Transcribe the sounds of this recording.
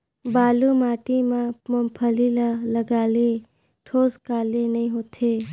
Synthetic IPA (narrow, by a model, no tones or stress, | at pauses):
baːlumaːʈimãməmpʰəlilaləɡaːle | ʈʰoːskaːlenɐɦĩɦoːt̪ʰeː